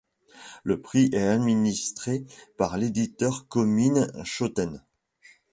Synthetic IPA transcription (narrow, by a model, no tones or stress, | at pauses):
ləpχiʔɛad̪minist̪χepaʁled̪it̪œʁkɔminʃot̪ɛn